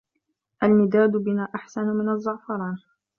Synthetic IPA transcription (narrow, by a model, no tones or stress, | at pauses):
ʔalmɪd̪aːd̪ʊbɪnaːʔaħsanʊmɪnazˤːʊʕfɑɾˤɑːɾ